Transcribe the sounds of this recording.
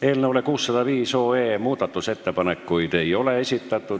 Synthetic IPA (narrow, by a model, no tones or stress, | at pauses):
elneolekuːsːɑt̪ɑʋiːsoːeːmuːt̪ːɑt̪ːuset̪ːepɑnekːuit̪eioleesit̪ːæt̪ːu